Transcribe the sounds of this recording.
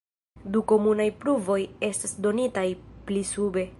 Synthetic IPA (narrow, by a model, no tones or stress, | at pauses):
duko̞munajpluvo̞je̞stasdo̞nitajplisube̞